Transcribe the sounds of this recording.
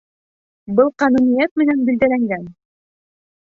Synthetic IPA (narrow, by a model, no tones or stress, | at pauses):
bɤlˠqɑnunijæt̪̚mɘ̆nænbild̪ælæŋɡæn